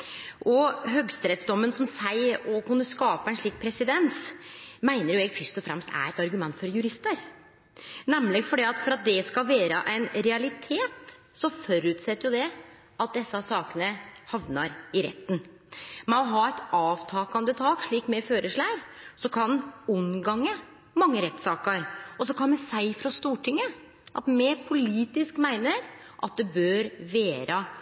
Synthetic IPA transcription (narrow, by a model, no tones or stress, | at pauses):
ʔɔɦœɡst̪ɾɛt̪sd̪ɔmːənsɔmsæɪɔkʉnːəskɑːpɑɛnʂɭiːk̚pʰɾɛsɪd̪ɛnsmæɪnəɾjʊɛɡfœʂt̪ɔfɾɛ̰mst̪æ̰ɾɛt̪ɑɾɡʉmɛnt̪fɔɾjʉɾɪst̪əɾ | nɛmlɪɡfɔɖɛːɑt̪fɔɾɑt̪̚d̪ɛskɑlʋeːɾəʔæɪnɾɛɑlɪt̪ʰeːt̪ | sɔfɔɾʉːt̪sɛt̪ːəɾjʊd̪ɛ | ʔɑt̪̚d̪ɛsːɑsɑːkənəhɑʋnəɾɪɾɛ̰t̪ːn | mɛɔɦɑːɛɪt̪ɑːʋt̪ʰɑːkɑnd̪ət̪ʰɑːkʂɭiːkmɛføːɾəʂɭæːɾsɔkʰɑnʊnɡɑŋːə | mɑŋːəɾɛt̪ːsɑːkəɾɔsɔkʰɑnmɛsæɪfɾɑst̪uːʈʰɪŋːə | ʔɑ̰t̪mɛɾpʰʊliːt̪ɪskmæɪnəɾʔɑ̰t̪̚d̪ɛbøːɾʋæːɾə